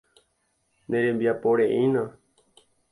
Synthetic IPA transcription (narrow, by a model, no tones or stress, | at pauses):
nẽɾembijapoɽeʔĩnã